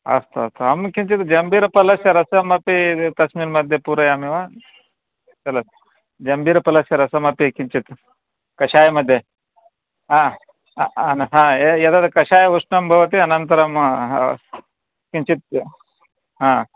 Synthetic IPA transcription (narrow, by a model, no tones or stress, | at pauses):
ɐ̰st̪ʰɐst̪ʰuɐmkiɲt͡ʃit̪d͡ʒɐmbiːɾɐpɐlɐsjɐɾɐsɐmɐpit̪ɐsmiːɾmɐd̪ʱjɐpuːɾɐjaːmiʋaː | t͡ʃɐlɐs | d͡ʒɐmbiːɾɐpɐlɐsjɐɾɐsɐmɐpikiɲt͡ʃit̪ | kɐʃaːjɐmɐd̪ʱje | ɦãː | ɐnɦãːejɐd̪ɐt̪kɐʃaːjɐʋuʂnɐmbʱɐʋɐt̪iɐnɐnt̪ɐɾɐm | kiɲt͡ʃit̪̚ | ɦãː